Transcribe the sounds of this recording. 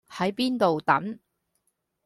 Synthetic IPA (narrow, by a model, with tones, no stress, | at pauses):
hɐ˨˥jpiː˥nt̪o˨wt̪ɐ̰˨˥n